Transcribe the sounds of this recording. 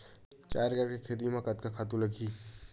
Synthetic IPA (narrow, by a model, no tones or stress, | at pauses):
t͡ʃaːɾɡaɾkekʰeːd̪imãkɐt̪̚kakʰaːt̪ũlɐɡʱiː